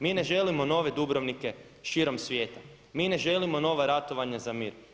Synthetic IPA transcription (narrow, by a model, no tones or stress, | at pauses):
miːne̞ʒe̞limo̞no̞ʋe̞d̪ubɾoʋnike̞ | ʃiɾo̞msʋje̞ːt̪a | miːne̞ʒe̞limo̞no̞ːʋaɾat̪o̞ʋaɲazamiːɾ